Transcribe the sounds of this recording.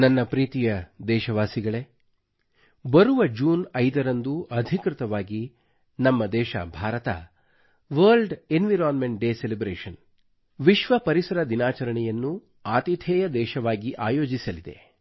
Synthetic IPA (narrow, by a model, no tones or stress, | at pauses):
nɐnːɐpɾiːt̪ijɐd̪ɛːʃɐʋaːsiɡɐɭe̞ | bɐɾuʋɐd͡ʒuːnɐjd̪ɐɾɐnd̪uɐd̪ʱikɾɪt̪ɐʋaːɡi | nɐmːɐd̪ɛːʃɐ̰bʱaːɾɐt̪ɐ̰ | ʋɐːlɖenʋiɾaːnmeɳʈ̚ɖeːselibɾeːʃɐn | ʋiʃʋɐpɐɾisɐɾɐd̪inaːt͡ʃɐɾɐɳɛjɐnːu | aːt̪it̪ʰɛːjɐd̪ɛːʃɐʋaːɡiʔaːjoːd͡ʒisɐlid̪e̞̰